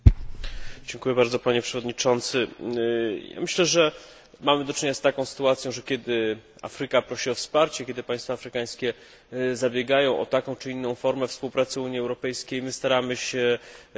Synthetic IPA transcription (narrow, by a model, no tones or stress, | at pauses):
d͡ʑɛŋkujɛbaɾd̪zɔpaɲɛpʂɛvɔd̪ɲit͡ʂɔnt̪sɘ | ja̰mɘɕlɛʐɛ | mamɘd̪ɔt͡ʂɲeɲast̪akɔ̃w̃sɘ̥t̪uat̪sʲjɔ̃w̃ʐɛkʲɛd̪ɘ | a̰fɾɘkapɾɔɕiɔfspaɾt͡ɕɛkʲɛd̪ɘpaj̃st̪faːfɾɘkaj̃skʲɛ | zabʲjɛɡajɔ̃w̃ʔɔ̰t̪akɔ̃w̃t͡ʂɘinːɔ̃w̃fɔɾmɛfspuwpɾat̪sɘuɲiɛwɾɔpɛjskʲejmɘst̪aɾamɘɕɛ